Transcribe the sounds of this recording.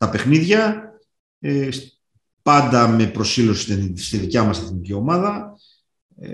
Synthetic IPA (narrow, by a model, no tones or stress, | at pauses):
t̪ɐpe̞xniðʝɐ | es | pɐnd̪ɐme̞pɾo̞silo̞si̥st̪iðicɐmɐseθnicio̞mɐðɐ